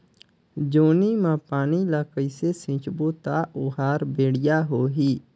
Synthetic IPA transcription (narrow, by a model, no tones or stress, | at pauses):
d͡ʒoːniːmãːpaːniːlaːkəisesɪ̃t͡ʃboːt̪aːʔoːɦaːɾbeːɽɪjaːɦoːɦiː